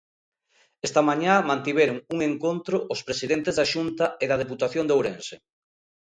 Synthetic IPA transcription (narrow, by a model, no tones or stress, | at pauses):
est̪ɐmaɲamãnt̪iβeɾʊŋuŋeŋkont̪ɾʊʔʊspɾesiðent̪ezðaʃunt̪ɐeðɐð̞eput̪aθjond̪owɾense